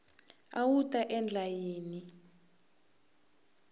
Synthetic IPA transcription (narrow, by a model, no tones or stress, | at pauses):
awutʼaʔɛnd͡ɮʱajeːni